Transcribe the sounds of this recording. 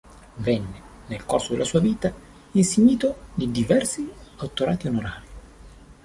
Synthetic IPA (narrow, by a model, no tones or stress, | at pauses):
vɛnːe | nelkorsod̪ḛlʔasuːaviːt̪a | inseɲːiːt̪od̪id̪ivɛrsiat̪ːoɾaːt̪ionoɾaːɾi